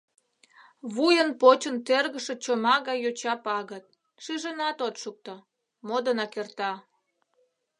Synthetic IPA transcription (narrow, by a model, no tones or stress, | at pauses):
βujənpot͡ɕənt̪erɣəʃĕt͡ɕomɑɣɑjot͡ɕɑpɑɣət̪̚ | ʃiʒənɑt̪ot̪ʃuk̚t̪o | mod̪ənɑkert̪ɑ